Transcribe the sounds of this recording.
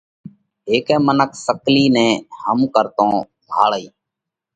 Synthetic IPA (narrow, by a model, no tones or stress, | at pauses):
ɦeːkɛ̃ːmənəkʰsəkliːnɛ̃ːɦəmkəɾt̪õː | bʱa̰ːɭəiː